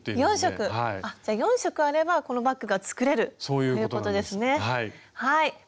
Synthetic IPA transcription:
jõ̞ɰ̃ɕo̞kkɯ̟aiad͡ʑaːjõ̞ɰ̃ɕo̞kɯ̟aɾe̞bako̞no̞bakːɯ̟ɡat͡sɨ̥kɯ̟ɾe̞ɾɯ̟soːjɯ̟ojɯt̪ko̞t̪o̞d̪e̞sɨne̞haihai

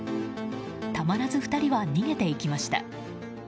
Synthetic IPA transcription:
t̪amaɾazɨɸɯ̟̥t̪aɾʲiβaɲ̟iŋe̞t̪e̞ikʲimaɕi̥t̪a̰

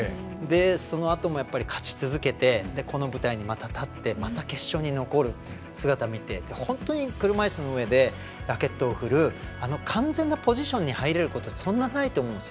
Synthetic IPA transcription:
d̪e̞so̞no̞at̪o̞mo̞japːaɾʲikʰḁt͡ɕi̥t͡sɨzɨke̞t̪e̞d̪e̞ko̞no̞bɯ̟t̪aiɲ̟imat̪at̪at̪ːe̞mat̪ake̞ɕːo̞ɲ̟ino̞ko̞ɾɯ̟ | sɨɡat̪amʲit̪e̞d̪e̞hõ̞nt̪o̞ɲ̟ikɯ̟ɾɯ̟maisɨno̞ɯ̟e̞d̪e̞ | ɾake̞t̪ːo̞ːɸɯ̟ɾɯ̟ano̞kʰãnd͡zẽ̞nːapo̞ʑiɕõ̞ɲ̟ːihaiɾe̞ɾɯ̟ko̞t̪o̞sõ̞nːanait̪o̞ːmõnesijo

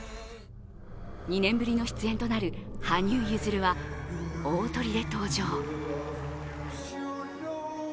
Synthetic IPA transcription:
ɲ̟inẽ̞mbɯ̟ɾʲino̞çi̥t͡sɨẽ̞nt̪o̞naɾɯ̟haɲ̟ʲɨːjɯːzɨɾɯ̟βa | oːt̪o̞ɾʲid̪e̞t̪o̞ːʑo̞ː

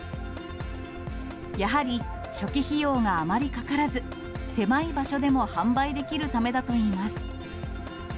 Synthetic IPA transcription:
jaɦaɾʲi | ɕo̞kʲiçijo̞ːŋaːmaɾʲikakaɾazɨ | se̞maibaɕo̞d̪e̞mo̞hãmbaid̪e̞kʲiɾɯ̟t̪ame̞d̪at̪o̞iːmasɨ̥

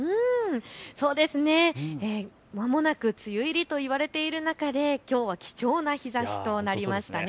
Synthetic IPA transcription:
ɯ̃ː | so̞ːd̪e̞sɨne̞e | mamo̞nakɯ̟t͡sɨjɯ̟iɾʲit̪o̞iβaɾe̞t̪e̞iɾɯ̟nakad̪e̞kʲo̞ːβ̞akʲi̥t͡ɕo̞ːnaçizaɕi̥t̪o̞naɾʲimaɕi̥t̪ane

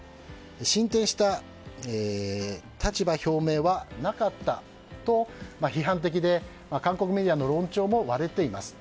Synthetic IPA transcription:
eɕĩnt̪ẽ̞ɰ̃ɕi̥t̪a | e | t̪ʰat͡ɕibaço̞ːme̞ːβanakat̪ːa | t̪o̞maçiɦãnt̪̬e̞k̬ʲid̪e̞ | makãŋko̞kɯ̟me̞d̪ʲiano̞ɾõ̞ɲt͡ɕo̞ːmo̞βaɾe̞t̪e̞imasɨ̥

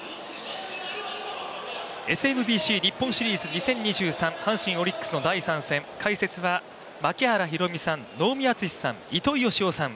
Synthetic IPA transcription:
e̞sɨenɯ̟bʲiːɕiːɲʲipːõɰ̃ɕiɾʲiːzɨɲ̟isẽ̞ɲ̟ːiʑɨːsãɴ̃hãɰ̃ɕĩɰ̃o̞ɾʲikːɯ̥sɨno̞d̪aisãɰ̃sẽ̞ŋkʰaise̞t͡sɨβa | makʲehaɾaçiɾo̞mʲisãnno̞ːmʲiat͡sɨii̥sã̰ŋit̪o̞io̞ɕio̞sãŋ

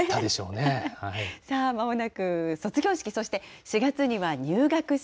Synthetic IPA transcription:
ad̪eɕo̞ːnehaisaːmaonakɯ̟so̞t͡sɨɡʲo̞ːɕi̥kʲiso̞ɕi̥t̪e̞ɕiɡat͡sɨɲ̟iβaɲ̟ɨːɡakɯ̟

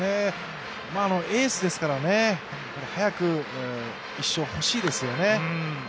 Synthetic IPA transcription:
e | maːno̞ʔeːsɨd̪e̞sɨ̥kaɾane̞ | paɾehajakɯ̟ | iɕːo̞ho̞ɕiːd̪e̞sɨjo̞ne̞

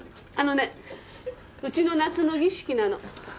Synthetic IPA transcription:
ano̞ne | ɯ̟t͡ɕino̞nat͡sɨnoɡʲiɕi̥kʲinano̞

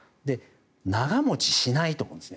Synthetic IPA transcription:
d̪e̞ | naɡamo̞t͡ɕi̥ɕinait̪omõ̰nesne

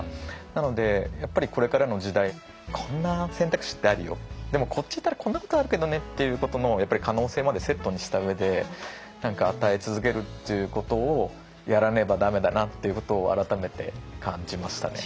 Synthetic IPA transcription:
nano̞d̪e̞japːaɾʲiko̞ɾe̞kaɾano̞ʑid̪ai | kʰõ̞nːasẽnt̪akɯ̟ɕi̥t̪ːe̞aɾɯ̟jo̞̰d̪̥e̞mo̞kʰo̞tt͡ɕːit̪ːaɾakõ̞nːako̞t̪oaɾɯ̟ke̞d̪o̞ne̞t̪ːe̞jɯ̟ːko̞t̪o̞no̞japːaɾikano̞ːse̞ːmad̪e̞se̞t̪ːo̞ɲ̟iɕi̥t̪aɯ̟e̞d̪e̞ | nãŋkaːt̪aet͡sɨzɨk̬e̞ɾɯ̟t̪ːe̞jɯ̟ko̞t̪o̞ː | jaɾane̞bad̪ame̞d̪anat̪ːe̞jɯ̟ko̞t̪o̞ːa̰ɾat̪ame̞t̪e̞̰kʰãɲ̟d͡ʑimaɕi̥t̪a̰ne̞

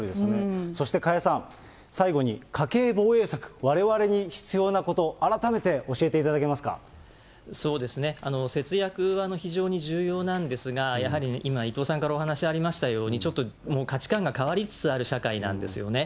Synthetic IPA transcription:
ɾid̪esneso̞ɕi̥t̪ekajasãɴ | saiɡo̞ɲ̟ikʰake̞ːbo̞ːe̞ːsakɯ̟̥βaɾe̞βaɾe̞ɲ̟içi̥t͡sɨjo̞ːnako̞t̪o̞ʔaɾat̪ame̞t̪e̞ʔo̞ɕie̞t̪e̞it̪ad̪ake̞masɨ̥ka̰ | so̞ːd̪e̞sɨne̞ano̞se̞t͡sɨjakɯ̟βano̞çiʑo̞ːɲ̟iʑɨːjo̞ːnãnd̪e̞sɨɡajaɦaɾʲinʔimait̪o̞ːsãŋkaɾao̞ɦanaɕiaɾʲimaɕi̥t̪ajo̞ːɲ̟it͡ɕo̞t̪ːo̞mo̞ːkat͡ɕi̥kãŋɡakaβaɾʲit͡sɨ̥t͡sɨaɾɯ̟ɕakainã̰nd̪e̞sɨjo̞̰ne̞

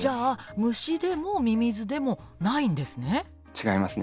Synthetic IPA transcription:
d͡ʑaːmɯ̟ɕid̪e̞mo̞mʲimʲizɨd̪e̞mo̞ | naĩnd̪e̞sɨne̞ | t͡ɕiɡaimasɨne

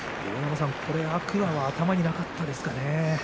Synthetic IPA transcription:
jonams̬ãŋkʰo̞ɾe̞akɯ̟βaβaːt̪amaɲ̟inakat̪ːad̪esɨ̥kane

